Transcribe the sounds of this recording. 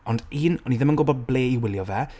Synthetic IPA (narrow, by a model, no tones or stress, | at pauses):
ɔndiːnɔniðɪmənɡʊbɔd̚bleːiwɪlˠjɔvɛ